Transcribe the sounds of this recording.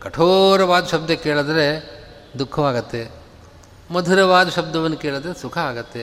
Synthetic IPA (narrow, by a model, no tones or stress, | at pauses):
kɐʈʰoːɾɐʋaːd̪ɐʃɐb̚d̪ɐkeːɭɐd̪ɐɾe | d̪ukʰːɐʋaːɡɐt̪ːe | mɐd̪ʱuɾɐʋaːd̪ɐʃɐb̚d̪ɐʋɐnːukeːɭɐd̪ɐɾesukʰɐaːɡɐt̪ːe